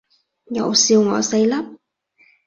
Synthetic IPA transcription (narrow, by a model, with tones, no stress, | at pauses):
ɲɔ̰˧˨˩wsi˧əwŋɔ̰˨˩sə˧jla˦˥p̚